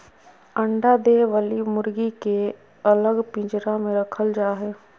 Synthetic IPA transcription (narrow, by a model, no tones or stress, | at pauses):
ə̃ɳɖad̪eːʋəlimʊɾɡike | ɐləɡpĩːd͡ʒɾãmẽɾɐkʰəld͡ʒaːɦeː